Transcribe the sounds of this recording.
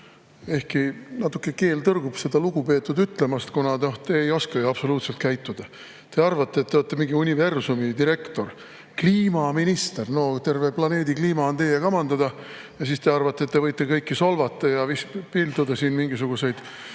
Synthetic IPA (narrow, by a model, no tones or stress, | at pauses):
e̞hkinɑt̪ːˑukːˑe̞ke̞ːlt̪ɤrɡ̥ub̥se̞d̪̥ɑluɡ̥upe̞ːt̪ːˑud̪yt̪ːˑle̞mɑst̪kunɑo̞t̪e̞ejo̞skɑjɑb̥so̞luːt̪se̞lt̪kæjt̪ˑːud̪̥ɑ | t̪e̞ɑrvɑt̪ːˑe̞ːt̪ːeot̪ːemiŋɡ̥iunʲive̞rsumid̪iɾe̞kt̪o̞r | kliːmɑminist̪erno̞t̪e̞rveplɑne̞ːd̪ikliːmɑont̪e̞jekɑmɑnd̪ɑd̪ɑ | jɑsist̪e̞ɑrvɑt̪ːˑet̪ːe̞vɤjt̪ːˑekɤjkːisolvɑt̪ːˑɑjɑvispild̪ud̪ɑsiːnmiŋɡis̬uɡ̥use̞jd̪̥